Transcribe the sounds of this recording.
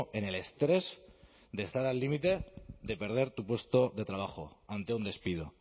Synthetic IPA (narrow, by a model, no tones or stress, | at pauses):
e̞ne̞le̞st̪ɾe̞z | d̪e̞st̪aɾalːimit̪e̞ðe̞pe̞ɾð̞e̞ɾt̪upwe̞st̪o̞ðe̞t̪ɾaβ̞axo̞̰ant̪eund̪e̞spiðo